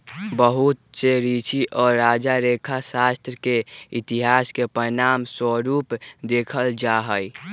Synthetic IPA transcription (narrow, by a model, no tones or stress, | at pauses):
bəɦut̪̚seɾit͡ʃiʔɔːɾːad͡ʒaɾekʰasast̪ɾəkeit̪iɦaskepɾənamswəɾupd̪ekʰəld͡ʒaɦəj